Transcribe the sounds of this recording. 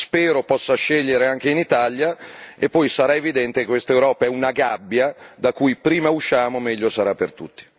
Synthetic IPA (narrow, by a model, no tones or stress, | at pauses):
spɛːɾopɔsːaʃːeʎːeɾeaŋk̟einit̪aljaepːɔjsaɾaevid̪ɛnt̪ekekwest̪aewɾɔːpaɛunaɡabːjad̪akujpɾiːmauʃːaːmomɛʎːosaɾapːert̪ut̪ːi̥